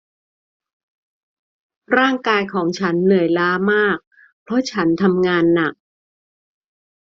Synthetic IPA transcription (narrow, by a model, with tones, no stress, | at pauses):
ɾaː˥˩ŋkaː˧jkʰɔː˩˦ŋt͡ɕʰa˦˥nːɯ˨˩əjlaː˦˥maː˥˩k̚ | pʰɾɔ˦˥t͡ɕʰa˦˥nt̪ʰa˧mŋaː˧nːa˨˩k̚